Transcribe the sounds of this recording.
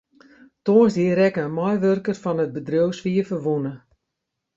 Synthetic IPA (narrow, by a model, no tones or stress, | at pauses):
toːnsdiəɾɛkəənmɔjʋørkərfɔnət̚bədrøwsʋiəfərʋunə